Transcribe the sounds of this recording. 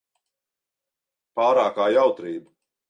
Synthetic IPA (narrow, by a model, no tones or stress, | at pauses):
paːɾaːkaːjawt̪ɾiːbu